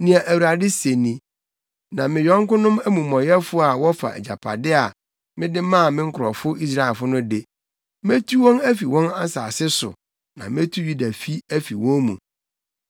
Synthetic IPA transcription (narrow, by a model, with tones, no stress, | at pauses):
nĩ˨a˨ʔæ˨wu˨ɾa˨dɪ˦se˨nĩ˨ | nã˨mɪ̃˨jɔ̃˦ŋ˦kʊ̃˦nʊ̃˦mæ˦mũ˨mɔ̃˨jɛ˦fʊ˦a˨wɔ˦fa̰˨ɛ̰˨d͡ʑa̰˨pʰa̰˨dɪ˦a˨ | mɪ̃˦dɪ˦mã˦˨mɪ̃˦ŋ̩˦kʰʊ˨ɾɔ˨fʊ˦i˦s̬ɾa˦ɛ˨lfʊ˦nʊ̃˦dɪ˦ | me˦tʰu˦wɔ̃˦næ˦fi˨wɔ̃˦na˦saː˨sɪ˦sʊ̰˨ | nã˨me˦tʰu˦ju˦da˨fi˦æ˦fi˨wɔ̃˦mũ˨